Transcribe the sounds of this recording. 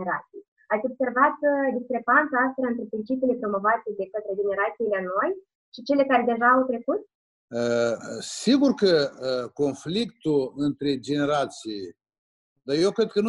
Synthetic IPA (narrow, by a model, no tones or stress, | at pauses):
eɾat̪sij | at̪sʲo̞b̥se̞rvat̪d̪iskɾe̞pant̪saast̪ɾaɨnt̪ɾe̞pɾint͡ʃipijile̞pɾo̞mo̞vat̪e̞d̪e̞kət̪ɾe̞d͡ʒe̞ne̞ɾat̪siːleanoj | ʃit͡ʃe̞le̞kaɾe̞d̪e̞ʒaːwt̪ɾe̞kut̪̚ | əsiɡurkəko̞nflikt̪ulɨnt̪ɾe̞d͡ʒe̞ne̞ɾat̪sij | d̪ajewkɾed̪̚kənu